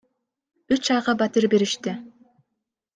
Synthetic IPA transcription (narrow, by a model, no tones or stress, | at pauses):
yt͡ʃɑjʁɑbat̪ɪɾbe̞ɾiʃt̪ɪ